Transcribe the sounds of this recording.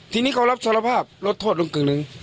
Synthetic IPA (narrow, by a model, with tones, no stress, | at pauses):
t̪ʰiː˧niː˦˥˩kʰa˧˩wla˦˥p̚sa˧˥la˧pʰaː˥˩p̚lo˦˥t̪ʰːoː˥˩t̪̚lo˧ŋkɯː˨˩ŋnɯ˨˧ŋ